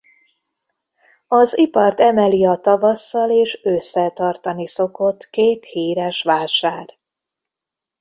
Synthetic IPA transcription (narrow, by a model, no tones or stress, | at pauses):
ɒzipɒrt̪ɛmɛliɒt̪ɒvɒsːɒleːʃøːsːɛt̪ɒrt̪ɒniso̞ko̞t̪keːt̪hiːɾɛʃʋaːʃaːr